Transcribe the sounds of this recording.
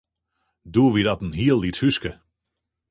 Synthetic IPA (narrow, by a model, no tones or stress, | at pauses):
duːəʋidɑtn̩ɦiəlˠːithyskə